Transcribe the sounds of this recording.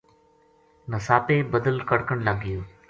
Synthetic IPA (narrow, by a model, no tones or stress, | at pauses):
nəsaːpeːbəd̪əlkəɽkəɳləɡɪjoː